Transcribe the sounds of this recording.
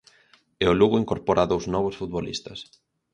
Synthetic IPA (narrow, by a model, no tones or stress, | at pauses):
eʊluɣʊiŋkoɾpɔɾʔaðowznɔβ̞ʊsfut̪̚βolḭst̪ɐs